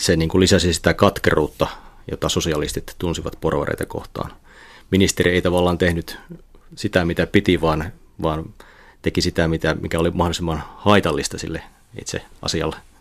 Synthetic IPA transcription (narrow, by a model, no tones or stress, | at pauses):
seniːŋkulisæsisi̥t̪ækɑt̪kḛruːt̪ːɑjo̰t̪ːˑɑsosiɑlist̪it̪t̪unsiʋɑ̰t̪porʋɑ̰rḛit̪ɑko̰ht̪ɑ̰ːn | minist̪erieit̪ɑʋɑlːɑːnt̪ehnyt̪sit̪æmit̪æpit̪iʋɑːn | ʋɑːn | t̪ekisit̪æmit̪æmikæolimɑhdolisimːɑnhɑit̪ɑlːist̪ɑsilːe | ḭt̪sḛɑ̰siɑ̰lːe